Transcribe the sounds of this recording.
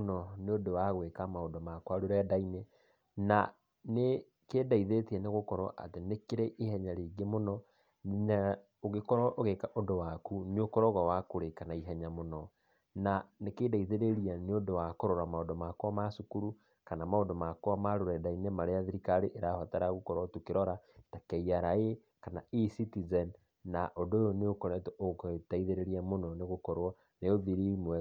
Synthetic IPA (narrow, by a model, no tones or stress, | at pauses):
nɔneodowaɣwekamaodɔmakwaɾoɾɛdaine | na | ne | keːdaiðetiɛneɣokɔɾɔ̰ʔa̰tenekeɾeʔihɛɲaɾeɡemonɔ | na | oɣekɔɾɔʔoɣekaʔodowakuneokɔɾɔɣawakoɾekanaiɦɛɲamonɔ | nanekedaiðeɾeɾianeodowakoɾoɾamaodomakwɔmasukuɾu | kanamaondomakwɔmaɾoɾɛdainɛmaɾeaðiɾikaɾeʔeɾahwataɾaɣokɔɾatokeɾɔɾatakɛiaɾae | kanaisitizɛnː | aʔodoːjɔneokɔɾɛtooktaiðeɾeɾiamonɔneɣokɔɾwɔ | neoðiɾimwɛ